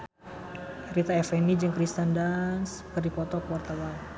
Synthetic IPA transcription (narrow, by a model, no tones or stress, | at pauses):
rit̪aɛfɛnid͡ʒɨŋkɾist̪andanskərdipɔt̪ɔkəwart̪awan